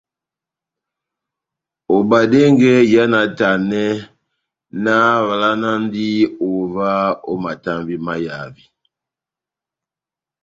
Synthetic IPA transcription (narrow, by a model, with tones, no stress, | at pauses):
o˨ba˨de˦ŋɡɛ˦ja˦na˨˦ta˨nɛ˦ | na˦βa˨la˦na˦n˦di˦o˨va˦o˦ma˨ta˦mbi˦ma˦ja˨vi˨